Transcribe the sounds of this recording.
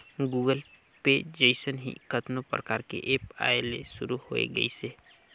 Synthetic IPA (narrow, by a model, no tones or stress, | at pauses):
ɡuːɡəl | ped͡ʒeɪsənɦḭkət̪nopɾɐ̰kaːɾkḛʔeːpa̰ːeleʃʊɾuhoːḛɡɐ̰iseː